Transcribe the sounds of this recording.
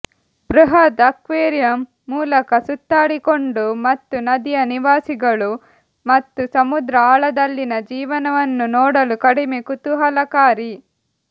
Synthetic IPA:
bɾuɦɐt̪ɐkʋeːɾjɐmː | uːlɐkɐsut̪ːaːɽikoɳɖumɐt̪ːunɐd̪ijɐniʋaːsiɡɐɭu | mɐt̪ːusɐmud̪ɾɐaːɭɐd̪ɐlːinɐd͡ʒiːʋɐnɐʋɐnːunɔːɽɐlukɐɽimekut̪uɦɐlɐkaːɾi

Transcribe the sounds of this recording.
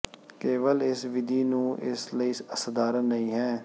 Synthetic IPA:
keːʋəlɪsʋɪd̪iːnũːʔɪ̰sləiːsəsəd̪aːɾənːəĩːɦɛ̃ː

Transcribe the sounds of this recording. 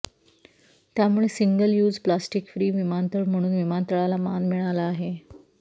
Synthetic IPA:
t̪jamuɭesiŋɡəljuːd͡zplasʈikfɾiːʋimant̪əɽm̤əɽ̃uːnʋimant̪əɭalamanmiɭalaːɦe

